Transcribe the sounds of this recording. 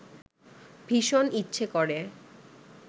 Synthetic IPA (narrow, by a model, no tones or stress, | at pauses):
bʱiʃonitːɕʰekoɾe